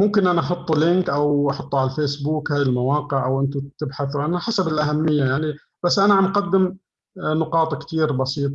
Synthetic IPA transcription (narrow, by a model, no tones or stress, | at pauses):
mʊmkɪnʔanaʔɑħʊt̪ˤːlɪnkʔawʔɑħʊt̪ˤːuʕalafeːsbuːkhaːjɪlmawɑːqɪʕʔawʔɪnt̪ʊt̪ɪbħaθwʔanaħasabɪlʔaɦamːɪjːajaʕni | b̥asːʔanaʕamqad̪ːɪm | nʊqɑːt̪ˤkt̪iːɾbɑsiːt̪ˤ